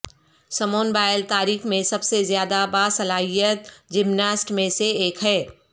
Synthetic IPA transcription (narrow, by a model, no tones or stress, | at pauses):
səmoːnbaːɪlt̪aːɾiːkʰmẽsəbsezjaːd̪abasəlaːɦijət̪̚d͡ʒɪmnaːsʈmẽseeːkʰɦɛː